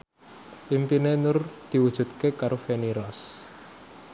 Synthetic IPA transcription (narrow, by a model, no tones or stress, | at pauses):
ʔimpinenʊrd̪̥i̤wud̥ʒ̥ṳt̪̚kekaɾofeniɾɔs